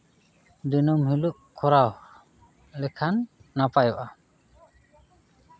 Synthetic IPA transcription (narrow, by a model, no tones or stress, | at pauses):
d̪inɔmhiluʔkʰɔɾaw | lɛkʰanːapajɔʔa